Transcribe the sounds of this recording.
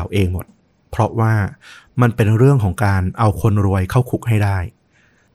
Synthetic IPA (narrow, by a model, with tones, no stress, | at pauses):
wʔeː˧ŋmo˨˩t̪̚ | pʰɾɔ˦˥waː˥˩ma˧npe˧nɾɯ˥˩əŋkʰɔː˩˦ŋkaː˧nʔa˧wkʰo˧nɾu˧əjkʰa˥˩wkʰu˨˩k̚hɦa˥˩jdaː˥˩j